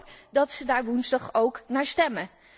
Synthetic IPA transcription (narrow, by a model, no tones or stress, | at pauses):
pdɑtsədaːɹʋunzdɑχowknaːɹstɛmə